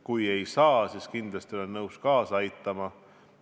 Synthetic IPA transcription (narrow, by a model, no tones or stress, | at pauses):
kuje̞jsɑːsiskind̪̥lɑst̪io̞lenːɤwskɑːsɑjt̪ːˑɑmɑ